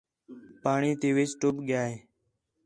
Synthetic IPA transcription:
paːɳiːt̪eːʋet͡ʃʈʊpɠjaːɦeː

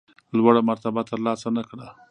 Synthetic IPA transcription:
lwaɽamaɾt̪abat̪əɾlɑsanakɽa

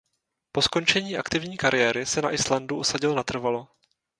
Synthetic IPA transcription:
po̞sko̞nt͡ʃɛɲiːʔakt̪ɪvɲiːkaɾɪjɛːɾɪsɛna̰ʔɪslanduʔusaɟɪlnat̪r̩valo

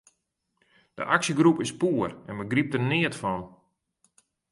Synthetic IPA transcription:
d̥ə̰ʔaksəɡɾupɪspuərɛnʋəɡrip̚tərnɪətfɔn

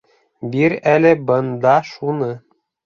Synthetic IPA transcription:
biɾælɘ̆bɤ̆nd̪ɑʃunɤ

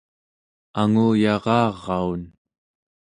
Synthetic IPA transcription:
aŋuːjɑʁɑːʁːɑun

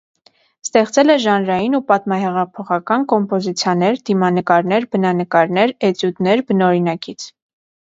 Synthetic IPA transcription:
st̪ɛχt͡sɛlɛʒɑnɾɑjinupɑt̪mɑɦɛʁɑpʰɔχɑkɑnkɔmpɔzit͡sʰjɑnɛɾd̪imɑnəkɑɾnɛɾbənɑnəkɑɾnɛɾɛt͡sjut̪nɛɾbənɔɾinɑkit͡sʰ

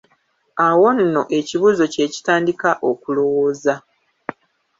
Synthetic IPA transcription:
awo̞nːo̞ʔe̞ciβuːzo̞ce̞ːci̥taːndikaʔokulo̞wo̞ːza

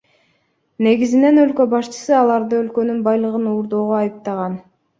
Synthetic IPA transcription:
ne̞ɡizine̞nø̞lkøbɑʃt͡ʃɯ̥sɯɑlˠɑɾd̪ɯø̞lkø̞nynbɑjlˠɯʁɯnuːɾd̪o̞ːʁoɑjɯp̚t̪ɑʁɑn

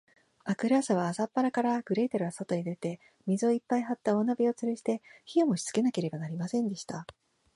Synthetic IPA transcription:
akɯ̟ɾaːsaβ̞aːsapːaɾakaɾaɡ̥ɯ̟ɾe̞ːt̪eɾɯaso̞t̪o̞ɲ̟id̪e̞t̪e̞ | mʲizɨo̞ipːaiɦat̪ːao̞nabʲio̞t͡sɨɾɯ̟ʑi̥t̪e̞çio̞moɕi̥t͡sɨ̥ke̞nake̞ɾe̞banaɾʲimasẽ̞nd̪e̞ɕi̥t̪a

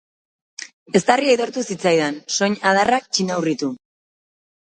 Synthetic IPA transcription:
e̞st̪ariait̪o̞ɾt̪usit͡sajðanso̞ɲað̞arak̚t͡ʃinawrit̪u

